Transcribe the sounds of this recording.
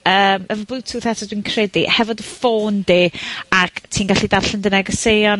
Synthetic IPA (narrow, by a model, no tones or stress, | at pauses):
əːməvəbɨtʰuθɛtʰɔdwinkʰr̥ɛdihɛvɔdəfoːndiːaktʰiːnɡaɬidarɬəndənɛɡɔsejɔn